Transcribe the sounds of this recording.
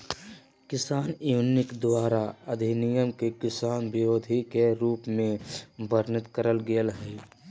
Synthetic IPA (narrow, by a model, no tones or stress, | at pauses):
kɪsaːnjunɪkd̪waːɾaəd̪ʱinijəmkekɪsaːnbɪɾoːd̪ʱikeɾuːpmẽbəɾnɪt̪kəɾəlɡeəlɦɛː